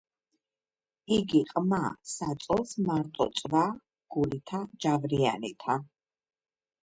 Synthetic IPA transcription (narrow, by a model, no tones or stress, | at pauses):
iɡiqʼmasat̪sʼɔlˠsmaɾt̪ʼɔ̰t̪sʼva | ɡ̥ulit̪ʰad͡ʒavɾianḭt̪ʰa